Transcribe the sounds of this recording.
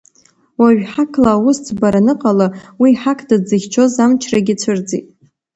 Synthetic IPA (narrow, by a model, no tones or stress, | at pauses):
waʒᶣħakʰlaːwʊst͡sʰbaɾanɨqʼalawiːħakʰdad͡zɨχʲt͡ʃʰo̞zamt͡ʃʰraɡʲɪt͡ʃʷʰɨrd͡zḛtʼ